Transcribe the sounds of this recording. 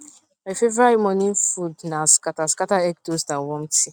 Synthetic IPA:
mafevɾaɾimɔnĩn̩fudnaskataskataɛk̚tosnawɔm̩ti

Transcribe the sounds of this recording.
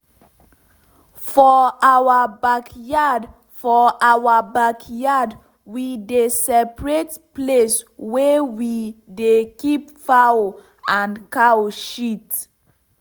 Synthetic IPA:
fɔawabakjad | fɔʔawabakʰjad | widesɛpɹetpleswɛwidekipfao | ãnkaoʃit

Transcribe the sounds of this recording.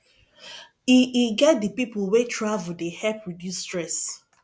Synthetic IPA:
iʔiɡɛt̚dəpipʊwetʰɹavudehɛpʰɹɔdjusːtɹɛs

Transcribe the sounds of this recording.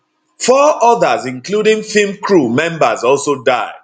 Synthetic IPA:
fɔʔɔðəzɪ̃ŋkludĩŋfimkɹumɛ̃mbazɔlsodaɪ

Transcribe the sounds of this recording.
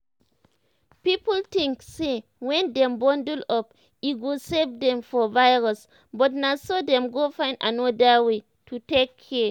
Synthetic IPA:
pipɔltĩŋksewɛ̃ndɛ̃mbɔ̃ndəlɔp | iɡosɛvdɛ̃mfɔvajɹɔs | bɔt̚nasɔdɛ̃mɡofãj̃ndanɔdəwe | tʰutekʰːɛ

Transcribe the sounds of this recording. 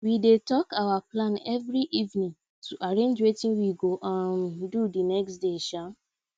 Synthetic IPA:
widetɔkawaplãnɛvɾiʔivnĩŋ | tʰuʔaɹẽnd͡ʒwetĩnwiɡoʔãndudinɛksdeʃa

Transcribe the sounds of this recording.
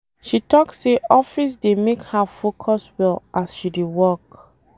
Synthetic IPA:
ʃitɔksseʔɔfis̬demekhafokʰɔswɛlʔasʃidewɔk

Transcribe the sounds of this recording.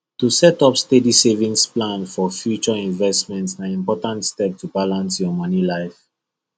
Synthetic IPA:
tusɛtɔpstedisevĩŋsplãnfɔfjut͡ʃɔĩnvɛstmɛ̃ntsãnĩmpɔtãntstɛp̚tubalãnsjɔmɔnilaɪf

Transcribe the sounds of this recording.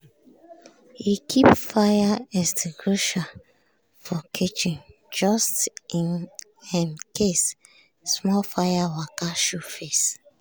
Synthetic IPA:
hikʰipfajaɛstɡɹoʃa | fɔkʰit͡ʃĩn | d͡ʒɔstĩn | hɛ̃nkʰes | smɔlfajawakaʃofes

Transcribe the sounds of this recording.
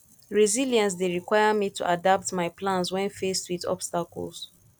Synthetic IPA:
ɹiziljɛ̃ns̬deɹikwajamitʰṵʔadap̚tmaɪplãnswɛ̃nfestwitɔ̰bstakɔ̰ls

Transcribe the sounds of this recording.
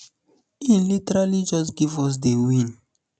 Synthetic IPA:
ĩnlitɛɹalid͡ʒɔsɡivɔs̬dewĩn

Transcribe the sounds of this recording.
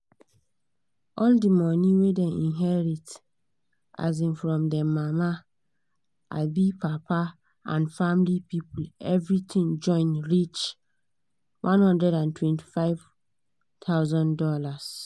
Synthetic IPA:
ʔɔldimɔ̃nĩwedɛ̃nĩnɦɛɾit | ʔa̰zĩnfɾɔ̃mdɛmãma | ʔa̰bipʰapʰa | ã̰nfamlipʰipulɛvɹitʰĩŋd͡ʒɔ̃ɪ̃nɹit͡ʃ | wʔãnhɔ̃ndɹɛdãntʰwɛ̃ntʰi̥faɪv | tʰaʊzɔ̃ndɔlas

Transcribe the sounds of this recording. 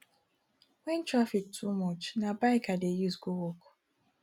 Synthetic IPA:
wɛ̃ntɹafik̚tʰumɔt͡ʃnabaɪkadejuzɡowok

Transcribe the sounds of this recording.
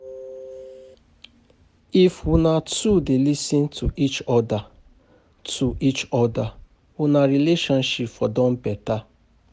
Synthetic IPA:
ifʊnatudelisĩntʰuʔit͡ʃɔda | tʰuʔit͡ʃɔda | ʊnaɾileʃɔ̃nʃipfɔdɔ̃m̩pɛta

